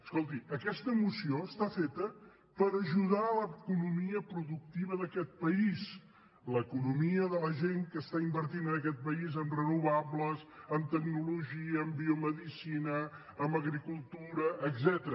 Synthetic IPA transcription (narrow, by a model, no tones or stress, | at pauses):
əskolˠt̪iəkɛst̪əmusioəst̪afet̪ə | pəɾəʒuðaləkunumiəpɾuðuk̚t̪iβəðəkɛt̪̚pəis | ləkunumiəðələʒeŋkəst̪aimbəɾt̪inənəkɛt̪̚pəizəmrənuβabləzəmt̪əɡnuluʒiəːmbiuməðisinəː | mbəɣɾikulˠt̪uɾəʔːɡzɛt̪əɾə